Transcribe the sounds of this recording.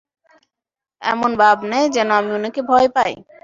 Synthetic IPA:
ɛ̰monbabnɛjd͡ʑɛnoamionekebʱɔepaj

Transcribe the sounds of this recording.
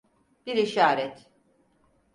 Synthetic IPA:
b̥iɾiʃaːɾɛt̪

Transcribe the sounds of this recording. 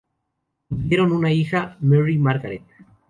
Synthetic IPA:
djeɾo̞nunaixamerimaɾɣaɾet̪̚

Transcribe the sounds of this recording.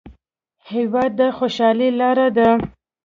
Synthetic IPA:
hewɑd̪ːəxoʃɑlilɑɾad̪a

